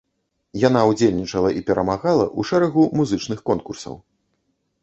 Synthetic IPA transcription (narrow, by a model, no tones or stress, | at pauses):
jan̪aud͡zʲelʲnʲit͡ʂɐlˠɐʔipʲɛɾʔɐmaɣalˠɐ̰ʔuʂɛɾɐɣumuzɨt͡ʂnɨxkɔnkursɐ̰w